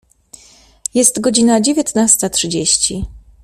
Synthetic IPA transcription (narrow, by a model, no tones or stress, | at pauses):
jɛst̪ɡɔd͡ʑinad͡ʑevʲjɛt̪nast̪atʂɘd͡ʑeɕt͡ɕi